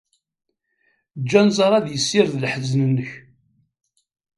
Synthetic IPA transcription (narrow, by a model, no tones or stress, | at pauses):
d͡ʒːænzˤɑɾˤɑðjəsːɪɾðlħəznənːəç